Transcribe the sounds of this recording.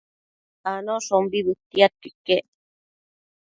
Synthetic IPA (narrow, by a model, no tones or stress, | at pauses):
anoʃombiβɨt̪ːiat̪̚kikːe